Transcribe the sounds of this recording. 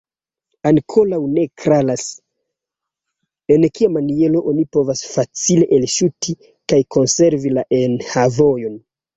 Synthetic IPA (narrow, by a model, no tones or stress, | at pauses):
aŋkʰo̞lawne̞kɾalas | e̞nkiamanie̞lo̞ʔonipo̞vasfat͡sile̞ʔelʃutʰi | kajkʰo̞nse̞ɾvilaʔenhavo̞jo̞n